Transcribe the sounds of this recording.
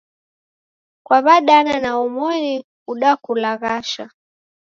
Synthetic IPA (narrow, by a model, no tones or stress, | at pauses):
kwaβaɗananaumɔni | uɗakulaɣaʃa̰